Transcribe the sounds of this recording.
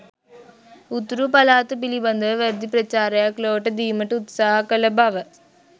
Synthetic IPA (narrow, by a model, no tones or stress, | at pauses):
ut̪ːɾupɐlaːt̪ːɨpilibɐnd̪ɐʋɐɾd̪ipɾɐt͡ɕːaːɾɐjakloːʈːɐd̪iːmɐʈːut̪saːɦɐkɐlɐbʱɐʋɐ